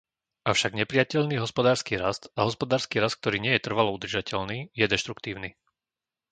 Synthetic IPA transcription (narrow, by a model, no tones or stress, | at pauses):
ʔafʃaɡɲɛpɾɪjacɛʎniːɦɔspɔd̪aːɾskiːɾast̪aɦɔspɔd̪aːɾskiːɾast̪̚k̚t̪ɔɾiːɲɪɛjɛt̪r̩ʋalɔud̪r̩ʒacɛʎniːjɛd̪ɛʃt̪ɾukt̪iːʊniː